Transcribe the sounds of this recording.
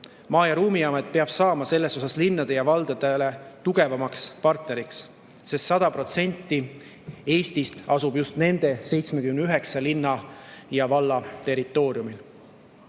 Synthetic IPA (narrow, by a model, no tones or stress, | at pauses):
mɑːjɑɾuːmiɑmet̪̚pe̞ɑb̥sɑːmɑse̞lːe̞so̞sɑslinːɑd̪̥e̞jɑvɑld̪̥ɑd̪̥ele̞t̪uɡ̥e̞vɑmɑkspɑrt̪neɾiks | se̞st̪sɑd̪̥ɑpro̞t̪se̞nʲt̪ːˑi | e̞ːst̪ist̪ɑsubjust̪ne̞nd̪̥e̞se̞jt̪smekymnyɦe̞ksɑlinːɑjɑvɑlːɑt̪e̞rˑit̪ːˑo̞ːɾjumil